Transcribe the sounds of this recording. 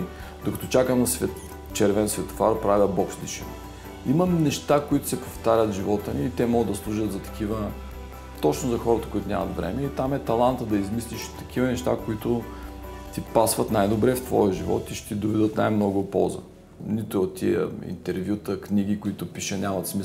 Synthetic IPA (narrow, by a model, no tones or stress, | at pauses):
d̪okɐt̪ɔt͡ʃakəmnɐsvɛt̪ | t͡ʃɛɾvɛnsvɛt̪ʊ̥faɾpɾavʲəbɔpʃt̪d̪iʃḭm | iməmnɛʃt̪akoit̪ʊ̥sɛpoft̪aɾʲət̪ʒivɔt̪əniːt̪ɛmɔɡəd̪ɐslˠuʒət̪zɐt̪ɐ̥kʰivə | t̪ɔt͡ʃnozɐxɔɾət̪əkʊit̪ʊnʲa̰mɐ̰t̪vɾɛ̰mɛit̪amɛt̪ɐlˠant̪əd̪ɐizmisliʃt̪ɐ̥k̟ivənɛʃt̪akoit̪ʊ | t̪ipasvɐt̪najd̪obɾɛft̪vɔ̰jəʒivɔ̰t̪iʃɛ̥t̪id̪ovɛd̪ət̪najmnɔɡʊpɔzə̰ | nit̪ʊot̪ːḭə̰ḭnt̪ɛɾvʲjut̪əknʲiɡʲikʊit̪ʊpiʃənʲamɐt̪smi